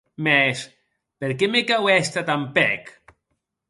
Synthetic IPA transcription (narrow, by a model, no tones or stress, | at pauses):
mɛs | peɾkemekawɛst̪at̪ampɛ̰k